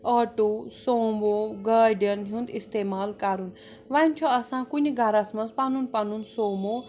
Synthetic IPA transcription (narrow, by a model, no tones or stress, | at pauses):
əʈusoːmboɡaːɾɖijənɦũnd̪ist̪emaːlkaɾun | ʋanʲt͡ʃʰɔɐsãkunʲiɡaɾasmɐ̃nzpanunpanunsoːmo